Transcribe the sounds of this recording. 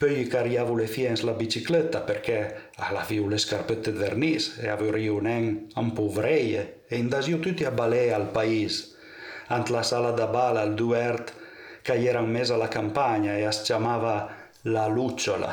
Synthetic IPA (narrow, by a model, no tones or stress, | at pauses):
pøjikaɾjavulefjɛnslabit͡ʃiklet̪apeɾkɛ | alafiwleskaɾpøt̪ed̪eɾnisḛavøɾiwnɛŋampovɾɛje | eind̪azjiwt̪yt̪iabalealpais | ant̪lasalad̪abalald̪uɛɾt̪ | kajɛɾaŋmez̬alakampaɲaeast͡ʃamava | lalut͡ʃola̰